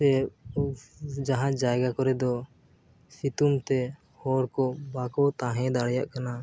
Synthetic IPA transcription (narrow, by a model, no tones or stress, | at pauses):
ɛ | d͡ʒaɦãd͡ʒajɡakɔɾɛd̪ɔ | sit̪umt̪ɛ | hɔɾkɔbakɔt̪ãɦɛ̃d̪aɽja̰ʔkana